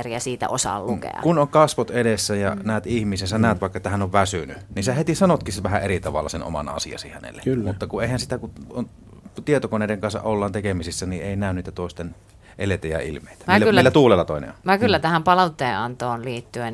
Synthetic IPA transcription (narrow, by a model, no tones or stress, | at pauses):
riæsiːt̪æ̰ʔosɑ̰lːukḛɑ̰kunoŋkɑsʋot̪edesːæjɑ̰næˑːt̪ihmisensænæːt̪ʋɑˑekːɑt̪ːæhænoʋʋæsynynisehet̪isɑnot̪kisʋæhæʔʔerit̪ɑʋɑ̰lːɑ̰seno̰mɑ̰nɑ̰sḭɑ̰sḭhænḛlːḛkylːmut̪ːɑkuʔʔeˑihænsit̪ækuon | t̪iet̪okoneˑideŋkɑnsɑ̰ʔʔolːɑːnt̪ekemisisːænieˑinæˑønniːt̪æt̪oˑest̪en | ʔelet̪æjæ̰ḭlmˑḛˑit̪æ̥ɑilːæylːilːæt̪uːlelːɑt̪oˑenḛʋɑkylːæt̪æhæmpɑlɑut̪ːeːɑnt̪oːnliːt̪ːyen